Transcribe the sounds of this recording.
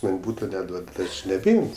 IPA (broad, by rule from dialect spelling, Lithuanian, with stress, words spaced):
ˈmɐnʲ ˈbuːtoː nʲɛˈduɔt tʲɪ ˈɐʃ nʲɛbʲɛˈɪmʲsʲ